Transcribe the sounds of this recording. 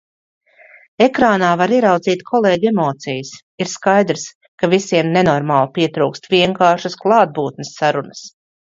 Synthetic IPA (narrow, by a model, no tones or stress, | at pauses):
ekɾaːnaːvaɾiɛɾawd̪ziːt̪kʰɔlˠeːɟemɔːt̪sijəs | iɾskajd̪ɾs | kavisiɛmnenɔɾmaːlˠpiɛt̪ɾuːkst̪viɛŋkaːʃasklˠɑːd̪̚buːt̪̚nəsːaɾunəs